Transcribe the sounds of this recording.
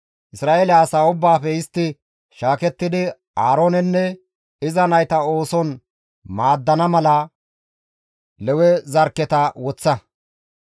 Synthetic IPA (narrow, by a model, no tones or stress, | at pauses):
ʔɪsɾaːʔeːlɛɐsaːʊbːaːfɛɪst̪ːɪ | ʃaːkɛt̪ːɪd̪ɪ | aːɾoːnɛnːɛ | ɪzɐnɐjt̪ɐo̞ːsɔn | maːd̪ːɐnɐmɐlɐ | lɛwɛzɐɾkːɛt̪ɐwɔt͡sːɐ